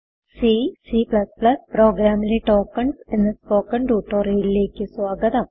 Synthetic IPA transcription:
sisiplɐsplɐspro̞ːɡɾaːmileʈoːkːɐɳsenːɐskoːkːɐɳɖuːʈːoːreːjlile̞ːkʲːɨswaːɡɐðɐm

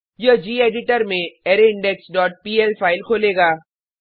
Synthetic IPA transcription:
jəd͡ʒiːeːɖɪʈəɾmẽɛːɾeɪ̃ɳɖɛksɖɔːʈ̚piːɛlpʰaːɪlkʰoːleːɡaː

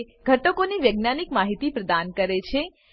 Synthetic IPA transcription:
ɡʱəʈokoniʋjəɡnanikmaɦit̪ipɾəd̪ankəɾet͡ʃʰe

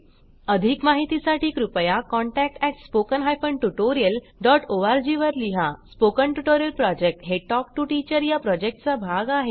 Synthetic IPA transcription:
əd̪ʱikmaɦit̪isaʈʰiːkɾupəjakɔɳʈæk̚ʈɛkspokənɦajfəɳʈuʈoɾijəl | ɖɔʈoʋaɾd͡ʑiʋəɾliɦaspokəɳʈuʈoɾijəlpɾɔd͡ʑek̚ʈɦeʈɔkʈuʈit͡ɕəɾjapɾɔd͡ʑek̚ʈt͡sabʱaɡaɦe

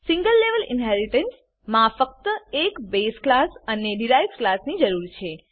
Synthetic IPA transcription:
sĩŋɡəlːeʋəlɪ̰nɦɛɾiʈəns | mãfək̚t̪əekbesklasəneɖiɾajsklasnid͡ʒəɾuɾt͡ʃʰe

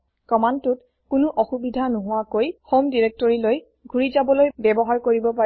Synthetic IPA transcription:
kɔmantʊt | kʊnʊʔɔxubidʱanuɦʊwakojxomdiɹek̚tɔɹiloj | ɡʱuɹizabɔlojbɛbɔɦaɹkoɹibɔpa

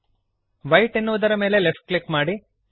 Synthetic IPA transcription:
ʋɐjʈenːuʋud̪ɐɾɐme̞ːlelefʈ̚klikmaːɽi

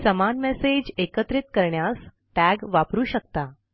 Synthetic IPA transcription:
səmanmesed͡ʑekət̪ɾit̪̚kəɾɳjas | ʈæɡʋapɾuːɕək̚t̪a

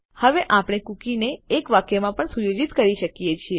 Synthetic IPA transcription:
həʋeʔapɳ̃ekukineːkʋakjemãpəɳsujod͡ʒit̪kəɾiʃəkijet͡ʃʰie

